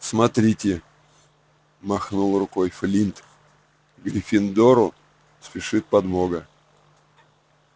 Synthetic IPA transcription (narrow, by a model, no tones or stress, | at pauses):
smɐt̪ɾʲitʲɪ | mɐxnulˠrʊkojflʲint̪ | ɡɾʲɪfʲind̪oɾʊ | spʲɪʂɨt̪̚pɐd̪moɡə